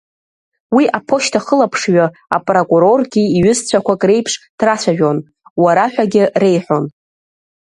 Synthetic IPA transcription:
wiʔapʰo̞ʃtʰaχəlapʰʂɥa | a̰pʼro̞kʼuɾo̞rɡʲiiɥʏzt͡ɕʷʰakʷakʼre̞jpʰʂd̥rat͡ɕʷʰaʒᶣon | waɾaħʷᶣaɡʲɪre̞jħʷᶣo̞n

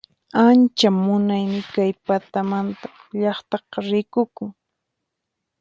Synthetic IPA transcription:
ant͡ʃamʊnajmɪkajpat̪amant̪ḁʎɑχt̪ɑqɑɾɪkʊkʊ

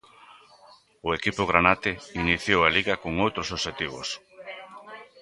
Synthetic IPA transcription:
ʊekipʊɣ̞ɾanat̪einiθjowaliɣakoŋowt̪ɾʊsoβʃet̪iβ̞o̰s

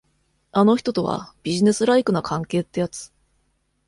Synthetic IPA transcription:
ano̞çi̥t̪o̞t̪o̞βa̰b̥ʲiʑine̞sɨɾaikɯ̟nakʰãŋke̞ːt̪ːe̞jat͡sɨ̥

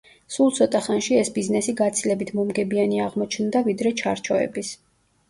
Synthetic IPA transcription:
sulˠt̪sʰɔt̪ʼaχanʃiɛsbiznɛsiɡat̪sʰilɛbit̪ʰmɔmɡɛbianiaʁmɔt͡ʃʰnd̪avid̪ɾɛt͡ʃʰaɾt͡ʃʰɔɛ̰bis

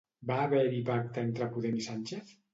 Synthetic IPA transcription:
baːβɛɾipak̚t̪aent̪ɾapuðemisanʲt͡ʃeθ

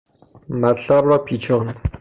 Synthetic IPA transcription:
mæt̪ʰlæbɾɒːpʰiːt͡ʃʰɒːn

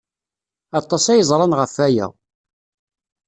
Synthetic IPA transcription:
ɑt̪ˤːɑsæjəzˤɾˤɑnʁəfæjæ̰

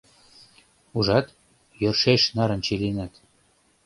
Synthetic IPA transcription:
uʒɑt̪ | jørʃeʃnɑɾə̆nt͡ɕelenɑt̪

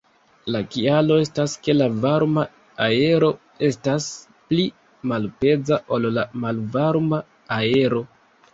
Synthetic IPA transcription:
lakialo̞e̞staske̞lavaɾma | ae̞ɾo̞ | e̞stas | pli | malpe̞d͡zaʔo̞llamalvaɾma | ae̞ɾo̞

